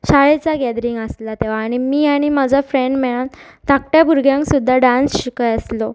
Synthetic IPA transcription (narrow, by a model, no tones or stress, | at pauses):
ɕaɭet͡saɡɛd̪ɾiŋɡəslat̪eʋaːɽ̃imiːaɽ̃imad͡zʱafɾeɳɖmeɭan | t̪ak̚ʈjabʱuɾɡjãŋksud̪ʱːaɖãnsɕikəjəslo